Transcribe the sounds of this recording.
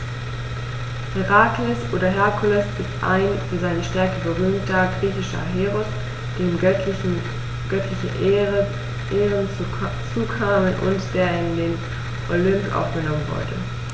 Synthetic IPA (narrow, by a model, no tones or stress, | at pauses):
hiʁaːkləsʔoːdɐɦɛɐkʰʊlʊsɪstʔa̰ɪnʊnzaɪnəʃtɛɐkəbəʁyːmtɐɡʁiːçɪʃɐ̰ɦeːʁʊs | d̥eːm | ɡ̥œtʰlɪçəʔ | ʔeːʁən | t͡suːkʰaːmənʔʊ̰ntd̥eːɐɪndeːn | ʔolʏmpʔa̰ʊfɡ̥ənɔmənvʊ̰ɐdə̰